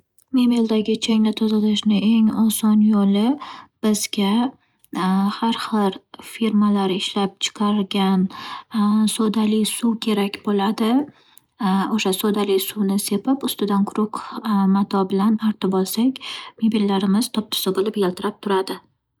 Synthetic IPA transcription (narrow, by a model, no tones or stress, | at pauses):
me̞meld̪aɡʲɪt͡ʃʰeŋʲlat̪ʰozalɪʃnɪʔe̞ŋɒsɒnjolɪb̥ɪzɡʲa | haɾχɨɾfiɾmalaɾɪʃlap̚t͡ʃʰɨ̥qʰɑɾɡʲan | sod̪alɪjsukʲʰe̞ɾakʲbolad̪ɪ | oʃasod̪alɪjsunɪse̞pɪpʊst̪ɪd̪anqʰʊɾʊqmat̪ʰɒbɪlanaɾt̪ɪbɒlˠsakʲmebilːaɾɪmɪz̥t̪ʰɒp̚t̪ʰɪ̥sɪbolɪpjelt̪ʰɪɾap̚t̪ʰʊɾad̪ɪ